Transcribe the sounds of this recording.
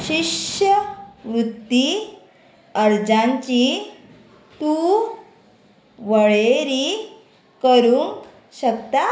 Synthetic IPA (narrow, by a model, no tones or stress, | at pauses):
ɕiɕəʋɾut̪ːi | əɾd͡zãnt͡ɕi | t̪u | ʋəɭeɾi | kəɾuŋk | ɕəkt̪a